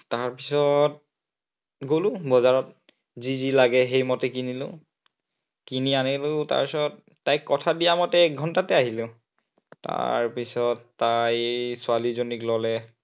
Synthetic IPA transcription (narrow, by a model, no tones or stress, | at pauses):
taɹpisɔt̚ | ɡolʊ̃bɔzaɹɔt̚ | zizilaɡɛɦejmɔtɛkinilʊ̰̃ | kinianilʊ̃ta̰ɹpisɔtː | ajkkɔtʰadijamɔtɛɛk̚ɡʱɔntatɛaɦilʊ̃ | ta̰ɹpisɔtːajsʊalizoniklɔlɛ